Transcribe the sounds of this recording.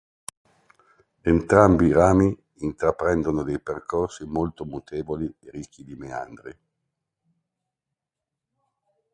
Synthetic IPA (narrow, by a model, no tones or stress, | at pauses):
ent̪ɾambiɾaːmiː | nt̪ɾapɾɛnd̪onod̪ejperkʰorsimolt̪omut̪eːvolieɾikʰːid̪imea̰nd̪ɾḭ